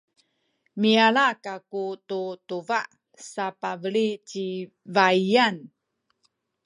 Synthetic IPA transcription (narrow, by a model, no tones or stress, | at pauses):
miaɭakakututuvaʔ | sapavəɭit͡ɕi | vaian